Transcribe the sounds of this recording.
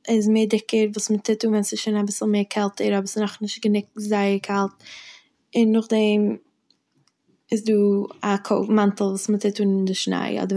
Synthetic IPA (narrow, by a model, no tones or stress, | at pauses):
ɪzmeɪːdɪkəɾvuːsmətʰɪtuːnvɛnsɪʃoːnabɪsl̩ˠmeːɾkʰɛlˠtəɾɔbəsɪnɔχnɪʃt̚ɡənɪk̚zaɪəɾkʰalˠt̚ | ɪnːʊχdɛm | ɪsduːakʰoʊmantl̩ˠvuːsmətʰɪtuːndɪʃna̰ɪɔ̰dəɾ